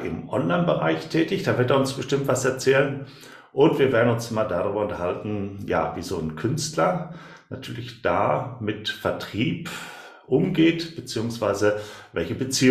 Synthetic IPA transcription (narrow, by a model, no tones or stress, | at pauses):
ʔɪ̰mʔɔ̰nlaɪnbəʁa̰ɪçtʰɛːtɪçd̥aːvɪɐteːɐʊnsb̥əʃtɪmtv̥asɛɐt͡sɛːlən | ʔʊntv̥iːɐveːɐdn̩ʊnsmaːdadaʁyːbɐʊntɐhaltn̩ja̰ːviːzoːnkʰʏnstlɐ | natʰyːɐlɪçd̥a̰ːmɪtfɛɐtʁ̥iːp | ʔʊmɡeːtb̥ət͡siːʊŋsv̥aɪzəvɛlçəbət͡siː